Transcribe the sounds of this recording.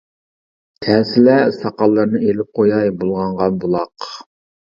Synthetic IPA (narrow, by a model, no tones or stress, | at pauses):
t̪ʰɛsɪlɛsɑqɑlˠːəɾnɨelɪp̚qʰojɑjbolˠʁɑɴʁɑnbolˠɑq